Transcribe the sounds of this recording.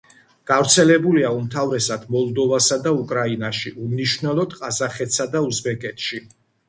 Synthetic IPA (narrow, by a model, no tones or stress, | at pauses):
ɡ̥avɾt̪sʰɛlɛbuliaumt̪ʰavɾɛsad̪̥mɔlˠd̪ɔvasad̪aukʼɾainaʃiʔumniʃvnɛlˠɔd̪̥qʼazaχɛt̪sad̪auzbɛkʼɛt̪ʰʃi